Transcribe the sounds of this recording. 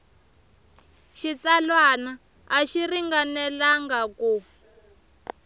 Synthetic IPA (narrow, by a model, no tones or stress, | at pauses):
ʃit͡salwanaː | ʃiriŋɡanɛlaŋɡaku